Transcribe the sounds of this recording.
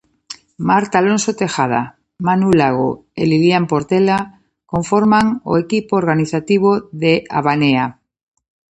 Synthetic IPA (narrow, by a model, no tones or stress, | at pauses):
maɾt̪alõnsot̪exað̞a̰ | manulaɣo̰eliljampoɾt̪ela | ko̞ɱfoɾmaŋo̰ekipoːɾɣaniθat̪iβ̞oðeʔa̰βanea